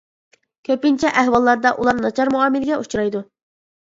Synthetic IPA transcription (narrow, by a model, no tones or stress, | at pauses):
kʲʰøpint͡ʃʰɛʔæhwɑlˠːɑɾd̪ɑʔulˠɑɾnɑt͡ʃʰɑɾmuɑːmɪlɪɡʲɛʔut͡ʃʰuɾɑjd̪u